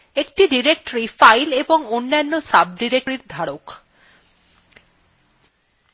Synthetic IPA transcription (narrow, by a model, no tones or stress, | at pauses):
ek̚ʈiɖiɾek̚ʈoɾifajleboŋonːanːosab̚ɖiɾek̚ɾiɾd̪ʱaɽok